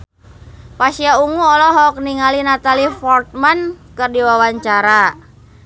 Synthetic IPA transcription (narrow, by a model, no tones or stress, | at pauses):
pasiauŋuɔlɔɦɔk̚niŋalinat̪alifɔrt̪̚mankɨrdiwawaɲt͡ʃaɾa